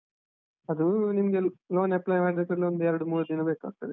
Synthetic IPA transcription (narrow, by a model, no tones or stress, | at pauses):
ɐd̪unimɡeloːneplajmaːɖd̪ekɐɾlond̪uɛɾɐɽumuːɽud̪inɐbeːka̰ːɡ̚t̪ɐd̪e